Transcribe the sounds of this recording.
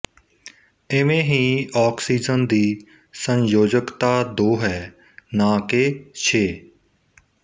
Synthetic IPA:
ɪʋẽːɦiːɔːksiːd͡ʒənd̪iː | sə̃njoːd͡ʒəkt̪aːd̪oːɦɛː | nãːkeːt͡ʃʰeː

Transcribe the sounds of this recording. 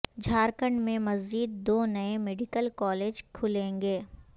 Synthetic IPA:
d͡ʒʱaːɾkəɳɖmẽmɐziːd̪̚d̪oːnɐemeːɖɪkəlkɔːleːd͡ʒkʰʊlẽːŋɡeː

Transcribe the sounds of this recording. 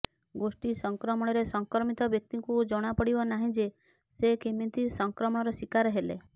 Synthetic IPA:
ɡosʈisɔŋkɾɔmɔɽ̃ɔɾesɔŋkɾɔmit̪ɔbjɔk̚t̪iŋkud͡ʒɔɽ̃apɔɽibɔnaɦĩd͡ʒe | sekemint̪isɔŋkɾɔmɔɽ̃ɔɾɔsikaɾɔɦelḛ

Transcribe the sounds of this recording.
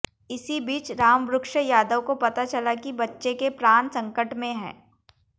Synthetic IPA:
ɪsibiːt͡ʃɾaːmbɾʊkʃəjaːd̪əʋkopɐt̪at͡ʃɐlakibɐtːʃekepɾaːnsɐ̃ŋkəʈmẽɦɛ̰̃ː

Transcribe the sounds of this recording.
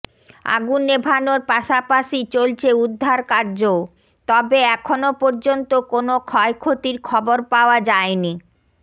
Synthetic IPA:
a̰ɡunːebʱanoɾpaʃapaʃit͡ɕolt͡ɕʰeud̪ʱːaɾkaɾd͡ʑo | t̪ɔbeɛkʰonopoɾd͡ʑont̪okonokʰɔekʰot̪iɾkʰɔboɾpaoad͡ʑaeni

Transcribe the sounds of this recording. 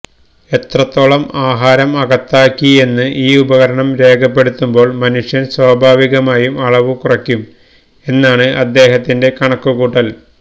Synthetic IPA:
e̞t̪rɐt̪ːoːɭɐmaːɦaːɾɐmɐɣɐt̪ːaːkʲːie̞nːɨʔiːubɐɣɐɾɐɳɐmɾe̞ːkʰɐpːe̞ɽut̪ːumbo̞ːɭmɐnuʂjɐnswaːbʱaːʋiɣɐmaːjumɐɭɐʋɨkurɐkʲːum | e̞nːaːɳɨʔɐd̪ːe̞ːɦɐt̪ːinde̞kɐɳɐkːuɣuːʈːɐl

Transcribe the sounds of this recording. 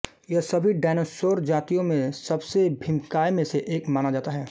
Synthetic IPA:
jɐsɐbʱiɖɛːnosoːɾd͡ʒaːt̪ijõmẽsɐbsebʱɪmkaːjmẽseʔeːkmaːnad͡ʒaːt̪aɦɛː

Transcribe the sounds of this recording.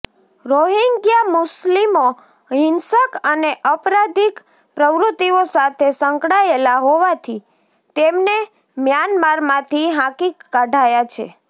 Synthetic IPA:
ɾoɦiŋɡjamʊslimo | ɦɪnsəkəneʔəpɾad̪ʱik | pɾəʋɾut̪iosat̪ʰesəŋkɽaelaɦoʋat̪ʰi | t̪emne | mjanmaɾmãt̪ʰiɦãkikːaɖʱajat͡ʃʰḛ

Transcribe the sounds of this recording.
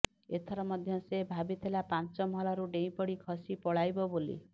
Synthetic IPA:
et̪ʰɔɾɔmɔd̪ʱjɔsebʱabit̪ʰelapãnt͡ʃɔmɔɦɔlaɾuɖeĩpɔɽikʰɔsipɔɭajbɔbolḭ

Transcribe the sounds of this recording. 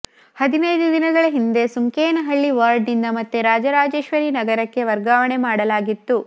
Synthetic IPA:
hɐd̪inɐjd̪ud̪inɐɡɐɭɐɦind̪e̞sumkeːnɐɦɐɭːiʋaːɾɖnind̪ɐmɐt̪ːeɾaːd͡ʒɐɾaːd͡ʒeːʃʋɐɾinɐɡɐɾɐkːe̞ʋɐɾɡaːʋɐɳemaːɽɐlaːɡit̪ːu

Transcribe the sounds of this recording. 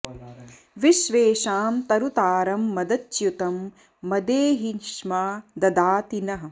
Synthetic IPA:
ʋiʃʋeːʃaːmt̪ɐɾut̪aːɾɐmːɐd̪ɐt͡ʃːjut̪ɐmː | ɐd̪eːɦiʂmaːd̪ɐd̪aːt̪inɐɦɐ̆

